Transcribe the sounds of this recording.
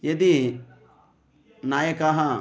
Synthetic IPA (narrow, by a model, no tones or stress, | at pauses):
jɐd̪i | naːjekaɦã